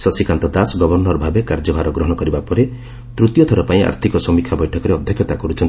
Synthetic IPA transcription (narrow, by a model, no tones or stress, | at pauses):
sɔsikant̪ɔd̪asɔɡɔbɔɾnɔɾɔbʱabekaɾd͡ʒɔbʱaɾɔɡɾɔɦɔ̃ɔkɔɾibapɔɾe | t̪ɾut̪jɔt̪ʰɔɾɔpaĩa̰ɾt̪ʰikɔsɔmikʰabɔjʈʰɔkɔɾeɔd̪ʱjɔkʰjɔt̪akɔɾut͡ʃʰɔnt̪i